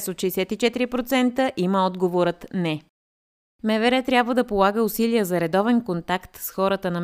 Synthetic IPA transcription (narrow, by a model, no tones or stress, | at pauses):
sot̪ʃijsɛt̪it͡ʃɛt̪iɾipɾot̪sɛnt̪əʔiməɔd̪ɡovoɾət̪nɛ | mɛvɛɾɛt̪ɾʲjabvəd̪ɐpolˠaɡəʊsiliəzɐɾɛd̪ɔvɛnkont̪akt̪sxɔɾət̪ənɐ